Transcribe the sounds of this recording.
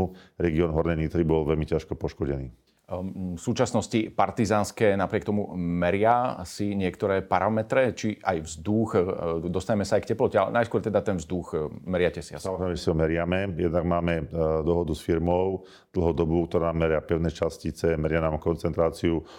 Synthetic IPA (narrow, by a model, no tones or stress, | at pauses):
uɾɛɡiɔːnɦɔɾnɛɲit̪ɾibɔlʋɛlmicaʃkɔpɔʃkɔɟɛniː | fsuːt͡ʃasnɔscipaɾt̪izaːnskɛːnapɾɪɛkt̪ɔmumɛɾɪasiɲɪɛkt̪ɔɾɛːpaɾamɛt̪ɾɛt͡ʃiʔajvzd̪uxd̪ɔst̪aɲɛmɛsaːjkcɛplɔcɛalɛ̰najskʊɔɾt̪ɛd̪at̪ɛnvzd̪uɣmɛɾɪacɛsisamɔzɾɛɪmɛʒɛsiɦɔmɛɾɪamɛjɛd̪naɡmaːmɛd̪ɔɦɔd̪usfiɾmɔʊ | d̪̥l̩ˠɦɔd̪ɔbuk̚t̪ɔɾaːmɛɾɪapɛʊnɛːt͡ʃascit͡sɛmɛɾɪanaːmkɔnt͡sɛnt̪ɾaːt͡siu